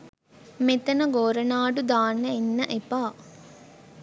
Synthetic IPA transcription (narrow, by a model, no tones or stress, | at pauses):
met̪ɐnɐɡoːɾɐnaːɖud̪aːnːɐenːɐʔepaː